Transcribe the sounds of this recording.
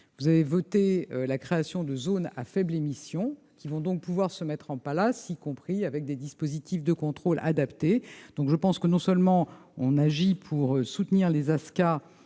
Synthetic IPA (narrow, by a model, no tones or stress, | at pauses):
vuzavevɔt̪eølakχeasjɔ̃d̪əzona̰fɛblemisjɔ̃ | kʲivɔ̃d̪ɔ̃k̚puvwaʁsəmɛt̪χɑ̃palasikɔ̃pχiavɛk̚d̪ed̪ispozit̪ifd̪əkɔ̃t̪χola̰d̪apt̪ed̪̥ɔ̃kʒəpɑ̃skənɔ̃sœlmɑ̃ɔ̰̃naʒipʰuʁøsut̪niʁlezaska